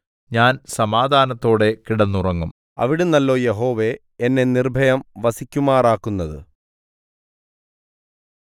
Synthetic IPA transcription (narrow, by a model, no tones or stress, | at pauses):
ɲaːnsɐmaːd̪ʱaːnɐt̪ːo̞ːɽe̞kiɽɐnːurɐŋːum | ɐ̰ʋiɽunːɐlːo̞jeɦo̞ːʋe̞ | enːe̞nirbʱɐjɐmʋɐsikʲːumaːraːkːunːɐðɨ̰